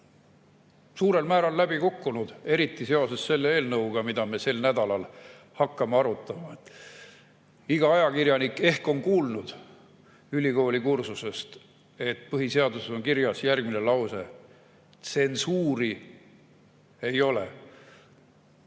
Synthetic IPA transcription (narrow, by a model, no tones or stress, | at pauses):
suːɾe̞lmæːɾɑlːæb̥ikukːunud̪̥e̞ɾit̪ˑːise̞o̞se̞sse̞lːee̞ːlnɤwɡ̥ɑmid̪̥ɑme̞se̞lnæd̪̥ɑlɑl | hɑkːɑmeɑɾut̪ːˑɑmɑet̪ːˑ | iɡ̥ɑɑjɑkiɾjɑnike̞hko̞nkuːlnud̪̥ | ylʲiko̞ːlʲikursuse̞st̪ | e̞t̪ːpɤɦise̞ɑd̪useo̞ŋkiɾjɑsjærɡ̥̚mine̞lɑwse̞ | t̪se̞nsuːɾi | e̞jo̞le̞̰